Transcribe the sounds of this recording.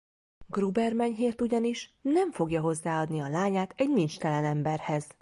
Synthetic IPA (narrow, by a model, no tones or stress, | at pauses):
ɡrubɛrmɛɲɦeːrt̪uɟɒniʃnɛɱfo̞ɡjɒɦo̞zːaːɒd̪niɒlaːɲaːt̪ɛɟnint͡ʃt̪ɛlɛnɛmbɛrhɛz̥